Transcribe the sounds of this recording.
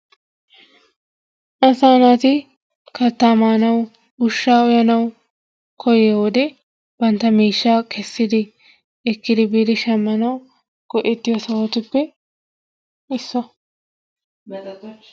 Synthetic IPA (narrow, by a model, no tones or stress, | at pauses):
ʔɐsaːnat̪ɪ | kɐɾt̪ːaːmaːnɐw | ʊʃːaːɔjɐnɐw | kʰɔjɛwɔd̪ɛ | bɐnt̪ːɐmiːʃːaːkʰɛsːɪd̪ɪ | ɛkːɪd̪ɪbiːd̪ɪʃɐmːɐnɐw | ɡ̥ɔʔɛt̪ːɪjɔsɐwot̪ɪpːɛ | ɪsːɔ